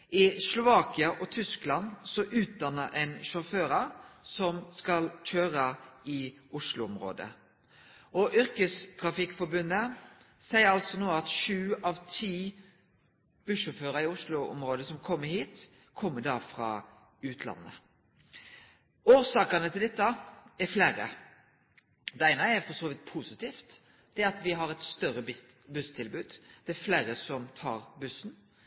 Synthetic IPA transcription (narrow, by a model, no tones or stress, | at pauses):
ɪslʊʋɑːkɪəʔɔt̪ʰʏsklɑnsɔʔʉːt̪̚d̪ɑnːəɾʔɛnʃʊføːɾɑɾsɔmskɑlc͡çʰøːɾəɪ | ʊʂlʊɔmɾo̰ːd̪ə̰ | ɔʔʏɾkəst̪ʰɾɑfɪkfɔɾbʉnːə | sæɪəɾɑlsɔnoːɑt̪ʃʉːɑʋt̪ʰiː | b̥ʉʂʊːføːɾəɪʊslʊɔ̰mɾoːd̪əsɔmkʰɔmːəɾhiːt̪ | kʰɔmːəd̪ɑːfɾɑ̰ː | ʉːt̪ʰlɑ̰nːə̰ | oːsɑːkɑnət̪ʰɪld̪ɛt̪ːəɛɾfleːɾə̰ | d̪ɛæɪnəɛɾfɔsoːʋɪt̪̚pʰusɪt̪ʰiːft̪ | d̪ɛæɾɑt̪ʋɪɦɑɾɛt̪st̪œɾəbʉst̪ʰɪlbʉːd̪d̪̥ɛɛfleːɾəsɔmt̪ʰɑ̰ːɾbʉsn̩